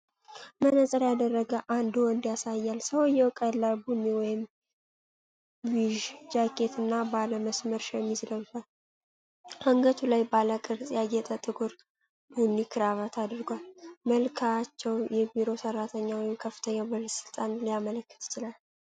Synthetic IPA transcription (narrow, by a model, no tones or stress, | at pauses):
mənəsʼəɾjad̪ərːəɡəʔand̪uwɔnd̪jasajːalsəwjɛwkʼəlːabunːiwɔjɪm | wiʒd͡ʒakʰʼe̞t̪ʰɨnːabaləməsməɾʃɛmːizləwt̪al | haŋɡət̪ʰulajbaləkʼɨɾsʼjajɛt̪ʼət̪ʼɨɡuɾ | bunːikʰɨɾaβat̪ʰad̪ɨɾɨɡwalməlkʰat͡ʃːɛwjɛbiɾo̞sərːat̪ʰəɲːawɔjɪmkʰəfːɨ̥t̪ʰəɲːabələsɨlt̪ʼanlijamələkːɨ̥t̪ʰɪ̥t͡ʃɪlal